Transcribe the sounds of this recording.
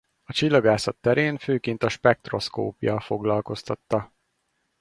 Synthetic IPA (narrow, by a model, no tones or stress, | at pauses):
ɒt͡ʃilːɒɡaːsɒt̪ːɛɾeːnføːkeːnt̪ɒʃpɛk̚t̪ro̞sko̰ːpjɒfo̞ɡlɒlko̞st̪ɒt̪ːɒ